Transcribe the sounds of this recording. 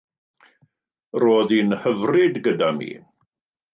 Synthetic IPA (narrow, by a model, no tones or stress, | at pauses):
roːðinhəvrɪdɡədamḭː